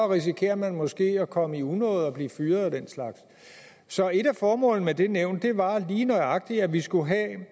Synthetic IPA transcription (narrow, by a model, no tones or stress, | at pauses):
ʁis̬ikʰe̝̰ːɐmænmɒ̽sɡ̥e̝̰ːɒkʰɒ̽məiunɔ̰ːð̩ˠɒ̽b̥liːfyːɐð̩ˠæd̥en̰slɑ̈ɡ̥s | sɒ̽e̝ɾ̥æfɒːmɔ̰̽ːlnəmed̥e̝neʊ̰nd̥d̥e̝ʋɑ̈liːnɒ̽ɪɑ̈ɡ̥̚d̥iæʋisɡ̥uɦæ